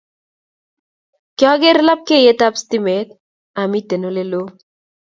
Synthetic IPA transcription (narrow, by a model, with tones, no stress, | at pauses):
kɪɔ˦ɡe˦ɾla˦p̚ke˦˨je˦ta˦psti˦me˨t̚ | a˨mi˦te˨no˦le˦lo˦